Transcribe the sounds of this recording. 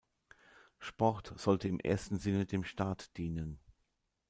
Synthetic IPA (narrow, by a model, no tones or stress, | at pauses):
ʃpɔʁtz̥ɔltəɪmʔḛːɐstn̩zɪnədeːmʃtaːtd̥iːnən